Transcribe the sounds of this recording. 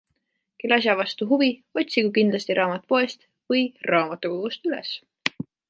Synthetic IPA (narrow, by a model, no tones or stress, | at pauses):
kelːɑsjɑvɑst̪uɦuvio̞t̪ʲsikukind̪lɑst̪iɾʔɑːmɑt̪ːˑu̥po̞est̪ | vɤjrɑːmɑt̪ːˑukoɡust̪ylḛs